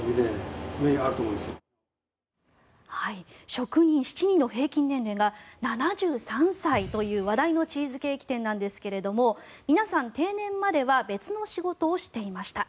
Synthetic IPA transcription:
ɲinẽmeiaɾɯ̟t̪oːmoĩnd̪esɨo | haiɕo̞kɯ̟ɲ̟ĩɰ̃ɕi̥t͡ɕiɲ̟ĩnːo̞ɦe̞ːkʲĩnːẽ̞nɾe̞ːŋɡananaʑɨːsãɰ̃sait̪o̞jɯ̟ːβad̪aino̞t͡ɕiːzɨke̞ːkʲi̥t̪ẽ̞nːãnd̪e̞sɨ̥ke̞ɾe̞d̪o̞mo̞mʲinasãnt̪e̞ːnẽ̞mːad̪e̞βabe̞t͡sɨno̞ɕiɡo̞t̪o̞ːɕi̥t̪e̞imaɕi̥t̪a

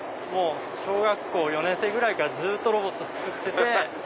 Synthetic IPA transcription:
mo̞ː | ɕo̞ːɡakːo̞ːjo̞nẽɰ̃se̞ːɡɯ̟ɾaikaɾad͡zɨːt̪ːo̞ɾo̞bo̞t̪ːo̞t͡sɨ̥kɯ̟t̪ːe̞t̪e̞

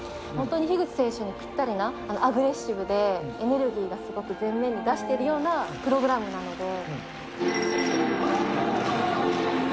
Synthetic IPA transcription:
hõ̞nt̪o̞ɲ̟içiɡɯ̟t͡si̥se̞ːɕoɲ̟ikʲi̥t̪ːaɾʲinaano̞aɡɯ̟ɾe̞ɕːibɯ̟d̪e̞ene̞ɾɯ̟ɡʲiːɡasɨɡo̞kɯ̟zẽ̞nːẽ̞ɲ̟ːid̪aɕi̥t̪e̞iɾɯ̟jo̞ːnapɯ̟ɾo̞ɡɯ̟ɾamɯ̟nano̞d̪e̞

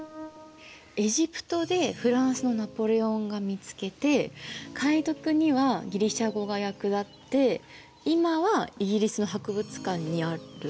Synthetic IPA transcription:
e̞ʑipɯ̟̥t̪o̞d̪e̞ɸɯ̟ɾãɰ̃sɨno̞napo̞ɾe̞õ̞ŋɡamʲit͡sɨ̥ke̞t̪e̞kʰait̪o̞kɯ̟ɲ̟iβaɡʲiɾʲiɕaɡo̞ɡajakɯ̟d̪at̪ːe̞ | imaβaiɡʲiɾʲisɨno̞ɦakɯ̟bɯ̟t͡sɨ̥kãɲ̟ːiaɾɯ̟

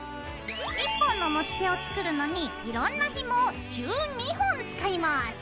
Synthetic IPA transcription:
ipːõ̞nːo̞mo̞t͡ɕi̥t̪eo̞t͡sɨ̥kɯ̟ɾɯ̟no̞ɲ̟iiɾõnːaçimod͡ʑɨːɲ̟ihõnt͡sɨ̥kaimasɨ̥

